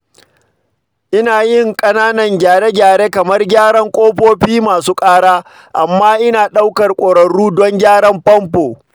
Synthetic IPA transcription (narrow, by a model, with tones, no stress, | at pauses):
ʔɪ˦naː˨jɪ˦˨ŋkʼɐ˦naː˦nɐ˨ŋɡʲaː˨ɽe˦ɡʲaː˨ɽeː˦kɐ˨mɐ˦rɡʲaː˦ɽɐ˦ŋkʷʼoː˦ɸoː˦ɸiː˦maː˨suː˦kʼaː˦ɽaː˦ | ʔa˨mːaː˦ʔɪ˦naː˨ɗa˦wkɐ˨rkʷʼoː˨ɽɐ˨ɽuː˦dɔ˦ŋɡʲaː˦ɽɐ˦mpɐ˦mpoː˨